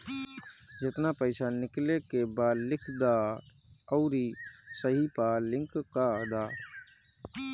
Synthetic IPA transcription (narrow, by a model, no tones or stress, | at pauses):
d͡ʒɪt̪naːpəɪsanɪklekebaːd̪lɪkʰd̪aː | ɔːɾiːsəɦiːpaːlɪ̃ŋkkaːd̪aː